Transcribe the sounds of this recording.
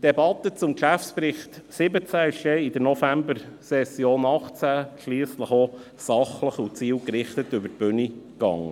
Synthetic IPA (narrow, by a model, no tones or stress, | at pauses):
d̥ɛbɑt̪ːət͡sʊmkʃæfspɾɪχt̪sɪbət͡sæɪʃjɛɪd̪əɾnɔfæmbəɾsɛsːjoːnɑχt͡sæʃliːsləχɔ | sɑχləχut͡siːlkɾɪχt̪ət̪ʏbəɾt̚b̥ønikɑ̰ŋːə